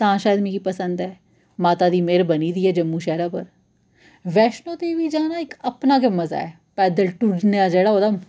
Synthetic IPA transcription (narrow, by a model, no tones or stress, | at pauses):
t̪ɐɦãʃaːjəd̪mẽkipɐsə̃nd̪ɦɛː | maːt̪ad̪imeːɾbɐnid̪iːɦɛd͡ʒɐmːuʃɛːɾapɐ̰ɾ | ʋɛːʃnõd̪eːʋid͡ʒaːnaɪkɐpnakemɐza̰ɦɛ | pɛːd̪əlʈuɾnejad͡ʒɐːɽaɦoːd̪am